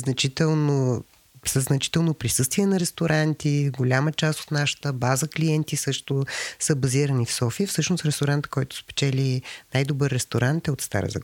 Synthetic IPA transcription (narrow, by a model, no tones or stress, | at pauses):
znɐt͡ʃit̪ɛlˠno | səznɐt͡ʃi̥t̪ɛlˠnopɾisɤst̪viɛnɐɾɛst̪oɾant̪iɡolʲamət͡ʃast̪o̥t̪naʃə̥t̪əbazəkliɛnt̪isɤʃt̪ʊsəbɐziɾənifsɔfiəfsɤʃnosɾɛst̪oɾant̪kɔjt̪ʊ̥spɛ̥t͡ʃɛlʲinajd̪obəɾːɛst̪oɾant̪ɛot̪st̪a̰ɾə̰zɐ̰ɡ